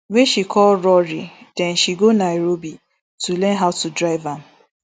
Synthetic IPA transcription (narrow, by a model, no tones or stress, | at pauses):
weʃikʰɔlɾɔɾid̥ɛ̃nʃiɡonaɾobi | tʰulɛ̃nɦaʊtudɹaɪvam